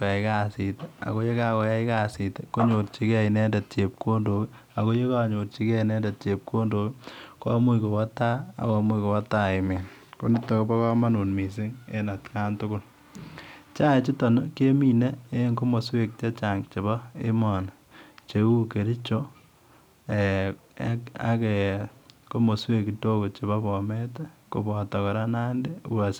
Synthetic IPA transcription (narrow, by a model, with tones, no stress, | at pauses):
kɛ˨ka˦˨si˨tea̰˨ko˦je˦ka˦ko˨ja˦ɪ˦ka˦˨si˨teko˦ɲo˨ɾt͡ʃi˦kɛ˦˨i˨nɛ˦dɛ˨t̚t͡ʃe˨p̚ko˦ndo˨ki˦ | a˨ko˦je˦ka˨ɲo˨ɾt͡ʃi˦kɛ˦i˨nɛ˦nde˨t̚t͡ʃe˨p̚ko˦ndo˨kkɔ˦mu˦iko˨wa˦ta˦a̰˨kɔ˨mu˦ko˨wa˦ta˦ɪ˨me˨nko˦ni˦tːo˨ko˦pa˦ka˦ma˦nu˨nmi˨s̬i˦ŋḛ˦na˨tka˦ntʊ˦kʊ˦l | t͡ʃa˦t͡ʃi˦to˨no˦ke˦mi˦ne˦e˦ŋko˦mo˨swe˦k̚t͡ʃe˦t͡ʃa˨ŋt͡ʃe˨bɔ˦ḛ˦mɔ˨n | t͡ʃe˨u˦ke˨ɾi˦t͡ʃo˦ | e˨˦ | a̰˦ke˨ko˦mo˨swe˦ki˨to˦ko˨t͡ʃe˨βa˦bɔ˨me˦tɛ˦ko˨bɔ˨ta˨kɔ˨ɾa˦na˦nde˦u˦wa˨s